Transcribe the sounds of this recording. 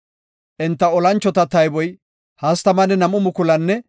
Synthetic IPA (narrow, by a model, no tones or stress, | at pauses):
ʔɛnt̪ːɐɔlɐnt͡ʃːɔt̪ɐt̪ɐjbɔj | hɐst̪ɐmɐnɛnɐmʊmʊkʊlɐnːɛ